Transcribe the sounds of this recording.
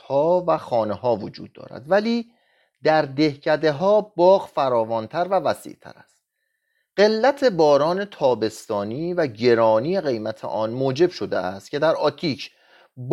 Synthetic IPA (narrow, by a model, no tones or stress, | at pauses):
hɒːvæxɒːneɦɒːvod͡ʒṵːd̪̚ːɒ̰ːɾæ̰d̪væliː | d̪̥æɾd̪e̞hcʰæd̪e̞ɦɒːbɒːɣfæɾɒːvɒːnt̪ʰæɾvævæsḭːʔt̪ʰæ̰ɾæ̰st̪̚ | ɢ̥e̞lːæt̪ʰe̞bɒːɾɒːne̞t̪ʰɒːbe̞st̪ɒːniːvæɟe̞ɾɒːniːje̞ɣe̞jmæt̪ʰḛʔɒːnmoːd͡ʒe̞bʃo̞d̪ḛʔæ̰st̪̚cʰe̞d̪æɾɒːt̪ʰiːcʰ | b